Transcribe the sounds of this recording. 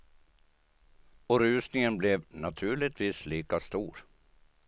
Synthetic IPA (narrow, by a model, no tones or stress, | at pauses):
ɔɾʉ̟ːsnɪŋənblɛvnat̪ʰʉ̟ːɭɪt̪ʰviːsliːkast̪uːɾ